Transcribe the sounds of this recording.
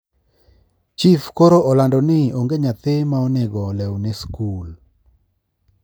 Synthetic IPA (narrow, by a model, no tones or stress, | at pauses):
t͡ʃifkoɾoʔɔlandɔnɪoŋɡeɲat̪ɪmaɔnɪɡɔlɛwnɪskul